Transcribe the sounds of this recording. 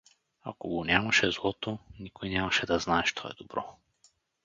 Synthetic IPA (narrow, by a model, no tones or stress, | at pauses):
a̰kɔɡɔnɛmaʃɛzlˠɔt̪ɔnikɔjnɛmaʃɛd̪aznaɛʃt̪ʰɔɛ̰d̪ɔbɾɔ